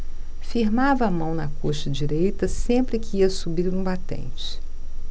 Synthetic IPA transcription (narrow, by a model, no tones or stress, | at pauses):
fiɾmavɐːmɐ̃w̃nɐkʰoʃɐd͡ʒiɾejt̪ɐsẽmpɾɪkɪiɐsubiɾũbat̪ḛ̃t͡ʃɪ̥